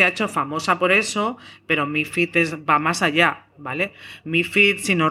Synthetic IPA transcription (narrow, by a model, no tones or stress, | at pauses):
eaet͡ʃo̞famo̞sapo̞ɾe̞so̞pe̞ɾo̞mifit̪e̞zbamasaʎabale̞mifit̪sino